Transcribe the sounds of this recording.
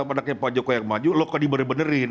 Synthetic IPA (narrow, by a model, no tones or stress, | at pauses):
apadakɲapad͡ʒokojakmad͡ʒulokadibənəbənərɪn